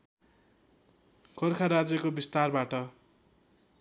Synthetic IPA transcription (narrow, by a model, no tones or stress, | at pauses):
kʰorkʰaɾad͡zjʌkobist̪arbaʈʌ